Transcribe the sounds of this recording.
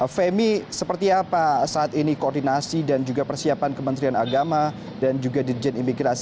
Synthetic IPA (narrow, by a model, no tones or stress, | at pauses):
fɛmisəpərt̪iapasaːt̪inikoɔrdinasidand͡ʒuɡapərsiapankəmənt̪ɾianaɡama | dand͡ʒuɡadid͡ʒɛnimiɡɾasi